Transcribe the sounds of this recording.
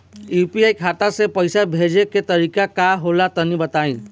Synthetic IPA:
jupiaːjkʰat̪asepəjsabʱed͡ʒeket̪əɾiːkakaɦolat̪ənibət̪aːĩ

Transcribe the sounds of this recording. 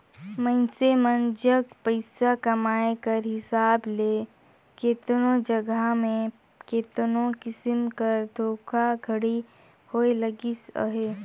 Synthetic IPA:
məɪsemənd͡ʒəkpəɪsakɐmaːekɐɾɦɪsaːbleː | keːt̪nõd͡ʒɐɡəmẽ | keːt̪nõkɪsɪmkɐɾd̪ʱoːkʰaɡʱɐɽi | hoelɐɡḭɦeː

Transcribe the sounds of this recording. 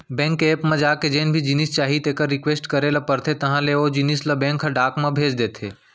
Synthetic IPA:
bɛ̃ːŋkeːpmẽd͡ʒaːked͡ʒeːnbʱid͡ʒɪnist͡ʃaːɦit̪eːkəɾːɪkʋeːsʈkəɾelɐpɐɾt̪ʰet̪ɐɦãleoːd͡ʒɪnislɐbẽːŋkʰɦɐ̃ɖaːkmẽbʱeːd͡ʒd̪eːt̪ʰeː

